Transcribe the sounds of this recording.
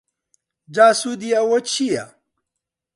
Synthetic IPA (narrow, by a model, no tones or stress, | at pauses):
d͡ʑaːsud̪ijawot͡ɕʰija